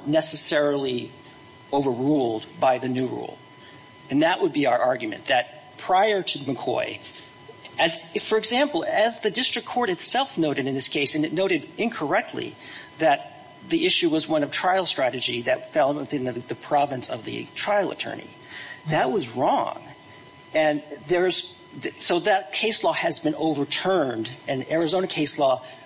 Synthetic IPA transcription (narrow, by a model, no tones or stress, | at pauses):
nɛsɨsɛɹl̩ˠi | oʊvə˞ɹulˠdbaɪðɨnʉɹṵlˠ | ɨ̃nðəʔ̚wʔəd̚biaʊə˞ʔɑɹɡjɨmɨ̰̃nðɨt̚ | pʰɹ̥aɪə˞ɾɨmɨkʰɔ̰ɪ | ɨzfə˞ɨɡzæ̃mpl̩ˠɨzðɨdɪstɹ̥ɨkʰɔɹɾɨtsɛlˠfnoʊɾɨɾɨ̃nðɪskʰeɪsɨ̃nɨtⁿnoʊɾɨɾɪ̃nkʰə˞ɛk̚tʰˡlḭðɨt̪̚ | ðiʔɪʃʉwʌzwʌ̃nʌv̥tʰɹ̥aɪl̩ˠstɹ̥æɾɨd͡ʒiðɨtfɛlˠwɨθɪ̃nðɨðɨpʰɹ̥ɑvɨ̃nsʌ̰vðɨ̰tʰɹ̥aɪl̩ˠə̰tʰɜ̰˞nḭ | ðɨt̚wʌzɹɔ̰̃ŋ | ɨ̃nðə˞z | ðsoʊðɨt̚kʰeɪslɔɨzbɨ̃noʊvə˞tʰɜ̃˞ndɨ̃nɛɹɨzõʊnɨkʰeɪslɔ